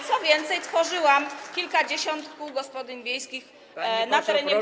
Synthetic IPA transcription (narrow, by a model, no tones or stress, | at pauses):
sɔvʲjɛnt̪sɛjt̪fɔʐɘwamkʲilkad͡ʑeɕɔnt̪kuɡɔspɔd̪ɘnvʲjejskʲix | nat̪ɛɾɛɲɛ